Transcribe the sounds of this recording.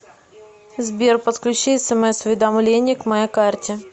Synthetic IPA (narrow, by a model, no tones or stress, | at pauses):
zbʲerpət̪klʲʉt͡ɕiɛsəmosʊvʲɪd̪ɐmlʲenʲɪjəkmɐjakart̪ʲɪ